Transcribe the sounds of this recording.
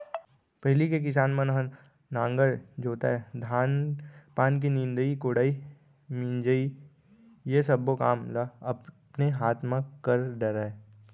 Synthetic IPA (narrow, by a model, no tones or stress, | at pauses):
pɐɦɪlikek̬ɪs̬aːnmə̃nɦə | nãːŋɡəɾd͡ʒoːt̪a̰d̪ʱaːnpaːnk̬inɪ̃nd̪əikoːɽai | mĩnd͡ʒəi | jesɐbokaːmlaɐp | neɦaːt̪ʰmãkəɾɖəɾaːe